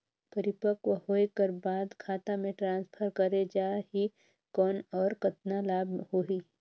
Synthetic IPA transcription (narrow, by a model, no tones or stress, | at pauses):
pɐɾɪpəkwɦoːekəɾbaːd̪kʰaːt̪amẽʈɾãːnspʰəɾkɐɾed͡ʒaːɦi | kɔːnɔːɾkɐt̪nalaːbʱɦoɦi